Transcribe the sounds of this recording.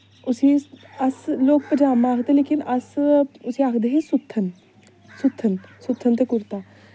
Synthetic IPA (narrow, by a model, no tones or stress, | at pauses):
ʊsiɐsloːk̚pəd͡ʒaːmaaːkd̪eleːkinʔɐsʊsiaːkd̪eɦisʊt̪ʰːən | sʊt̪ʰːənsʊt̪ʰːənt̪ekʊɾt̪a